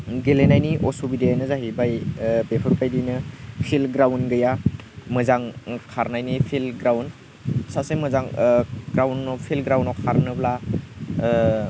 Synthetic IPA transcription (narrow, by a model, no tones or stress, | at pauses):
ɡelenajniʔɔsobidejajnɯzaɦibajbepʰɯɾpajdijnɯpʰilɡɾawnɡɯjamɯzaŋkʰaɾnajnipʰilɡɾawn | sasemɯzaŋɡɾawnːɔpʰilɡɾawnɔkʰaɾnɯbla